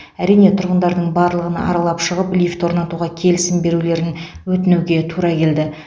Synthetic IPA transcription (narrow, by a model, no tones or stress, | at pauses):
æɾijne̞t̪ʰʊɾʁənd̪ɑɾd̪əɴbɑɾlˠəʁənɑ̰ɾɑlˠɑpʃəʁəplʲijft̪woɾnɑt̪uʁɑkʲʰe̞lɪsɪmbe̞ɾule̞ɾɪn | wɵt̪ɪnuwɡʲe̞t̪ʰuɾɑkʲʰe̞ld̪ɪ